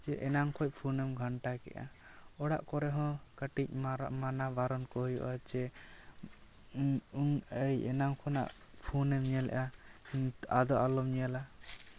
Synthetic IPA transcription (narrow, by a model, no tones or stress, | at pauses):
t͡ʃɛʔɛnaŋkʰɔc̚pʰunɛmɡʱaɳʈakɛ̰ʔa̰ | ɔɽa̰ʔkɔɾɛɦɔ̃kaʈic̚ˀmanabaɾɔnkɔɦɔjɔ̰ʔat͡ʃɛ | uŋəjɛ̰naŋkʰɔna̰ʔ | pʰunɛmɲɛlɛ̰ʔa | ad̪ɔʔalɔmɲɛla